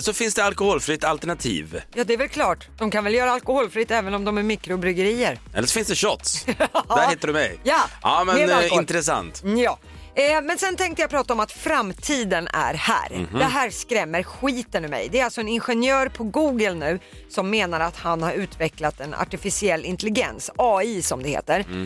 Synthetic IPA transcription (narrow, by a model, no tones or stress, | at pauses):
sɔfɪnsd̪ɛalkʊhoːlfɾɪt̪alt̪əɳat̪ʰḭːvjɑːd̪ɛvɛlkʰlɑːʈd̪̥ɔmkʰanvɛljœːɾaalkʊhoːlfɾɪt̪ːɛːvənɔmd̪ɔmæɾmiːkɾʊbɾʏɡəɾiːəɾɛ̰lːəʂɔfɪnsd̪ɛɕɔt̪sd̪æɾhɪt̪ːəɖɵmɛ̰jjaɑːmɛnɛɪnɾɛsa̰nt̪jɑː | mɛnsɛnt̪ʰɛŋkt̪əjapʰɾɑːt̪aɔmat̪fɾamːt̪ʰiːd̪ənæ̰ɾhæ̰ːɾɛɦæːɾskɾɛmːəɾɧiːt̪ənɵmɛ̰jd̪ɛæɾalsɔɛnɪnɧɛnjœːɾpʰɔɡuːɡəlnʉ̟ː | sɔmːeːnaɾat̪hanhaɾʉ̟ːt̪vɛklat̪ɛna̰ʈɪfɪsɪɛlːɪnt̪ɛlɪɡɛ̰nsɑːiːsɔmd̪ɛhḛːt̪əɾ